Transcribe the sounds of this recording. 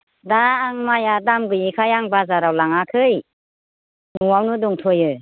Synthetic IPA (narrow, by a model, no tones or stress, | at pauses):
daːŋmajadamɡɯjikʰajaŋbazaɾawlaŋakʰɯj | nuwawnudɔŋtʰɔjɯ